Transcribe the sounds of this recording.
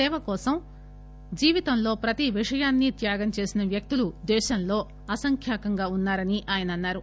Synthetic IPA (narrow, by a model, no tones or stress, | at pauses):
ɛːʋɐkɔːsɐm | d͡ʒiːʋit̪ɐmlo̞ːpɾɐt̪iʋiʂɐjaːnːit̪jaːɡɐmt͡ʃe̞ːsinɐʋjɐk̚t̪ulud̪ɛːʃɐmlo̞ː | ɐsɐŋkʰjaːkɐŋɡaːunːaːɾɐniʔaːjɐnɐnːaːɾu